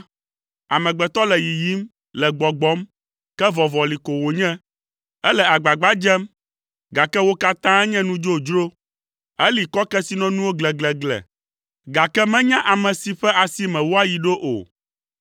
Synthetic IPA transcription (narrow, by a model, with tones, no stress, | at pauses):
a˨mɛ̃˨ɡ͡bɛ˨t̪ɔ˦lɛ˨ji˨ji˨˦m | lɛ˨ɡ͡bɔ˨ɡ͡bɔ˦m | kɛ˦vɔ˨vɔ˨li˨ko˨wo˨ɲɛ̃˦ | ɛ˦lɛ˨a˨ɡ͡ba˨ɡ͡ba˦d͡ʒɛ˦m | ɡa˨kɛ˦wo˦ka˦t̪ã˦ɛ˦ɲɛ̃˦nũ˦d͡ʒo˦d͡ʒɾo˦ | ɛ˦li˨kɔ˦kɛ˦si˨nɔ̃˦nũ˦wo˦ɡlɛ˨ɡlɛ˨ɡlɛ̰˨ | ɡa˨kɛ˦mɛ̃˦ɲã˦ʔa˨mɛ̃˨si˨ɸɛ˦ʔa˨si˦mɛ̃˨wo˦a˦ji˨ɖo˦ʔo̰˨